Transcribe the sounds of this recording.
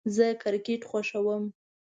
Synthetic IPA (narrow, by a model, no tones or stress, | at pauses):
zəkɪɾkeʈxwaʃawəm